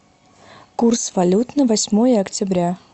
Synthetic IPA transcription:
kursvɐlʲut̪nəvɐsʲmojəɐktʲɪbɾʲa

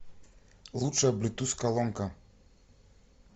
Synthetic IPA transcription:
lut͡ʂablʲit̪uskalɔŋka

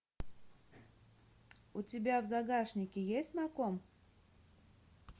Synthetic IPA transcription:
ʊtʲɪbʲavzɐɡaʂnʲɪkʲɪjesʲt̪ʲnɐkom

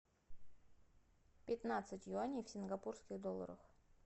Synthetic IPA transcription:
pʲɪt̪nat̪sɨtʲjʊanʲifsʲɪnɡɐpurskʲɪɣd̪olˠːə̰ɾəx

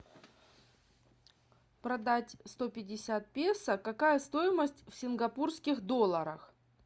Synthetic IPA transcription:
pɾɐd̪atʲst̪o̞pʲɪdʲɪsʲat̪̚pʲesəkɐkajəst̪o̞jɪməsʲtʲfsʲɪnɡɐpurskʲɪxd̪o̞lˠəɾəx

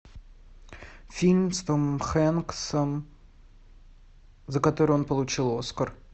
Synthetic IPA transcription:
fʲilʲmʲst̪omxɛnksəm | zəkɐt̪o̞ɾɨo̞npəlˠʊt͡ɕilˠo̞skər

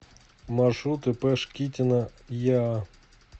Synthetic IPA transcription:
marʂut̪ɨpɛʂkʲitʲɪnəja

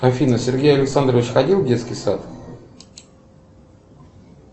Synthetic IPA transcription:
ɐfʲinəsʲɪrɡʲejɐlʲɪksand̪ɾəvʲɪt͡ɕxɐdʲilˠvdʲe̞t̪skʲɪjsa̰t̪

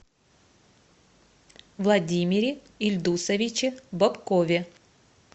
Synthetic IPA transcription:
vlˠɐdʲimʲɪɾʲɪ | ɪlʲd̪usɐvʲɪt͡ɕɪbɐpkovʲɪ

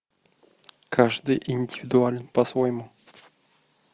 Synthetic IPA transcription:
kʰaʐd̪ɨjʔɪnʲdʲɪvʲɪd̪ualʲɪnpɐsvojɪmu

